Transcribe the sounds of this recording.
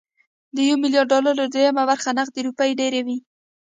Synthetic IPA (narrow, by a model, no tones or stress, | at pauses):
d̪əjawmɪlijɑɖːɑlaɾad̪ejamabaɾxanaɣd̪əɾupajɖeɾewi